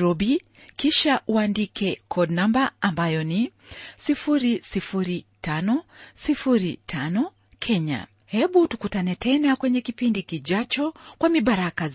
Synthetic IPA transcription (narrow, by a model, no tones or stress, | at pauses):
ɾɔɓi | kiʃaʔuandikɛkʰɔdnambaambajɔnisifuɾisifuɾitanɔsifuɾitʰanɔ | kʰɛɲa̰ | hɛɓutukutanɛtɛnakwɛɲɛkipindikiʄat͡ʃɔkwamiɓaɾaka